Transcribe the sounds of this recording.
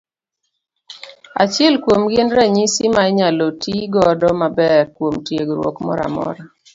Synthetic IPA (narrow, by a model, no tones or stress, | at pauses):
a̰t͡ʃɪɛlkwomɡɪnɾaɲisimaɛɲalotiɡɔdɔmabɛrkwomtjeɡɾwo̰kmɔ̰ɾa̰mɔ̰ɾa